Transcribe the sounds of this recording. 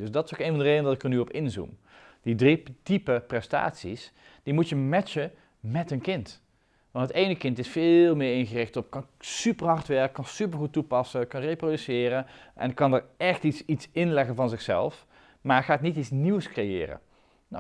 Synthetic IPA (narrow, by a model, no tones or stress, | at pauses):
døsdɑtɪ̥sokejnvɑndərejdəndɑtɪkəɹnyɔpɪnzṵm | d̥idritipəprɛsta̰ːtsḭs | d̥imutjəmɛt͡ʃə | mɛtənkɪnt | ʋɑntɦətejnəkɪntɪsfɪlˠmɪːɹɪnχərɪxtɔpkɑn | sypəɹɦɑɹtʋɛɹkːɑnsypəɹχut̚ːupɑsəkɑnrejprodysɪːrənʔɛ̰nkɑnəɹɛxtitsitsɪnlɛɣənvɑnzɪxsɛ̰lˠf | maːɹχaːtnititsniwskrejɪ̰ːrə̰ | na̰